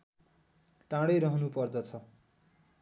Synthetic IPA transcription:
ʈãɽʌjɾʌɦʌnupʌrd̪ʌt͡sʰʌ

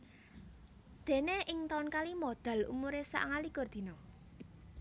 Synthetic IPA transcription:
d̪̥e̤neʔɪŋt̪aunkalimod̪̥a̤lṵmuɾesa̰ʔŋaliɡ̥ɔ̤rd̪̥i̤nɔ

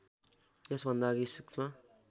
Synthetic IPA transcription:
jesbʱʌnd̪aɡisukma

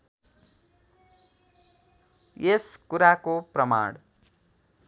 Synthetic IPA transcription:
jeskuɾakoprʌma̰ɽ̃

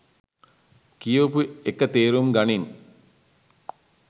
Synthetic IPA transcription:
kijoːpuekːət̪eːɾumɡɐnin

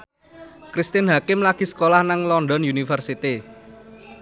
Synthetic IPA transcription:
kɾist̪ɪnɦakɪmlaɡ̥i̤sə̥kolahnaŋlɔnɖɔnjunifərsit̪i

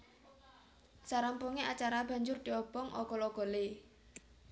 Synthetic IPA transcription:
saɾampuŋeat͡ʃaɾab̥ä̤ɲd͡ʒʊrd̪̥iɔb̥ɔŋʔɔ̰ɡ̥ɔlɔɡ̥ɔ̤le

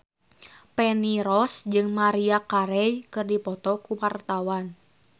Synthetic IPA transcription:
pɛniɾɔsd͡ʒɨŋmaɾiakaɾɛjkɨrdipɔt̪ɔkuwart̪awan

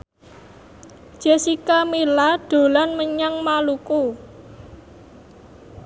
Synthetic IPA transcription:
d̥ʒ̥esikamilaɖ̥o̤lanməɲaŋmaluku

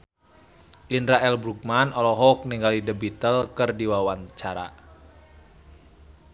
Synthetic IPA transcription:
ʔindɾaɛlbɾuk̚manɔlɔɦɔk̚niŋɡalidəbit̪əlkərdiwawant͡ʃaɾa̰

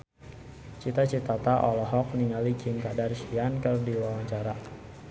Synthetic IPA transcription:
t͡ʃit̪at͡ʃit̪at̪aʔɔlɔɦɔk̚niŋalikɪŋkadarʃiankərdiwawaɲt͡ʃaɾa

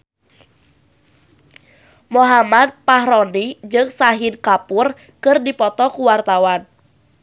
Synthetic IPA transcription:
moɦamad̪̚paɦɾɔnid͡ʒɨŋsaɦɪnkapʊr | kɨrdipɔt̪ɔkuwart̪awan

